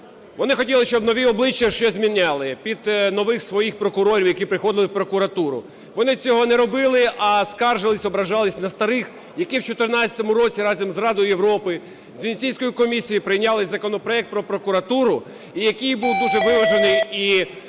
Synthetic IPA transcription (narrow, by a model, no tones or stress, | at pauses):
ʋɔnɪxɔtʲilˠɪʃt͡ʃɔbnɔʋʲiɔblˠɪt͡ʃːɐʃɛzʲmʲinʲːɑlˠɪpʲid̪nɔʋɪxsʋɔjixpɾɔkʊɾɔɾʲiwjɐkʲipɾɪxɔd̪ɪlˠɪwpɾɔkʊɾɐt̪uɾʊ̰ | ʋɔnɪt͡sʲɔɦɔnɛɾɔbɪlˠɪɐskɑrʒɪlˠɪsʲɔbɾɐʒɑlˠɪsʲnɐst̪ɐɾɪx | jɐkiwt͡ʃɔt̪ɪrnɑt͡sʲɐt̪ɔmʊɾɔt͡sʲiɾɑzʲɐmzrɑd̪ɔjʊjeʋɾɔpɪ | zʲʋʲinʲt͡sʲijsʲkɔjikɔmʲisʲijipɾɪjnʲɑlˠɪzɐkɔnɔpɾɔɛk̚t̪̚pɾɔpɾɔkʊɾɐt̪uɾʊ | ijɐkijbuwd̪uʒɛʋɪʋɐʒenɪji